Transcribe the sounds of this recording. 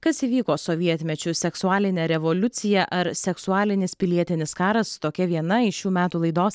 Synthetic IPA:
kɐsiːʋʲiːkoːsoʋʲiɛt̪ʲmʲɛt͡ʃʲʊsʲɛksʊɑːlʲɪnʲɛɾʲɛʋoːlʲʊt̪sʲɪjɛʔɐɾsʲɛksʊɑːlʲɪnʲɪspʲɪlʲiɛt̪ʲɪnʲɪskɑːɾɐst̪oːkʲɛʋʲiɛnɐɪʃjuːmʲæːt̪uːlˠɐɪd̪oːs

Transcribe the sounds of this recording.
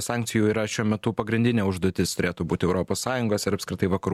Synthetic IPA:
sɑːŋk̚tsʲɪjuːiːɾɐʃʲuɔmʲɛt̪ʊpɐɡɾʲɪnʲd̪ʲɪnʲeːʊʒd̪oːt̪ʲɪst̪ʊɾʲeːt̪uːbuːt̪ʲɪɛʊɾoːpoːssɑːjʊŋɡoːsɪɾɐpskɾʲɪt̪ɐɪʋɐkɐɾuː

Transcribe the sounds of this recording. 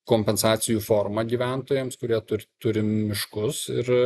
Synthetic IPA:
koːmʲpʲɛnsɑːt̪sʲɪjuːfoːrmɐɡʲiːʋʲæˑnt̪oːjemskʊɾʲiɛt̪ʊɾʲt̪ʊɾʲɪmʲɪʃkʊsɪɾ

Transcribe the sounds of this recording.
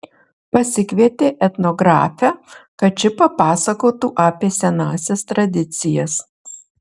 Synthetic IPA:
pɐsʲɪkʋʲiɛt̪ʲeːʔɛt̪nɔɡɾɑ̰ːfʲækɐt͡ʃʲɪpɐpɑːsɐkoːt̪uːʔɑːpʲeːsʲɛnɑːsʲɛst̪ɾɐd̪ʲɪt̪sʲɪjɛs

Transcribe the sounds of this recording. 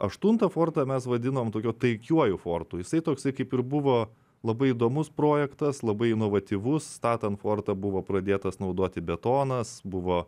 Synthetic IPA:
ɐʃt̪ʊnt̪ɐfoːrt̪ɐmʲɛsʋɐd̪ʲɪnoːmt̪oːkʲuːt̪ɐɪkʲuɔjʊfoːrt̪uːjɪsɐɪt̪oːksɐɪkɐɪpɪɾbʊʋoː | lˠɐbɐɪɪd̪oːmʊspɾoːjɛkt̪ɐslˠɐbɐɪɪnoːʋɐt̪ʲiʋʊst̪ɑːt̪ʲɐntfoːrt̪ɐbʊʋoːpɾɐd̪ʲeːt̪ɐsnɐʊd̪oːt̪ʲɪbʲɛt̪oːnɐsbʊʋoː

